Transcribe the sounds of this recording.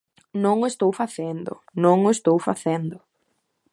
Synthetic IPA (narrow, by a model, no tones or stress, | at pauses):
nõŋʊest̪owfaθend̪ʊ̰nõŋʊest̪owfaθend̪ʊ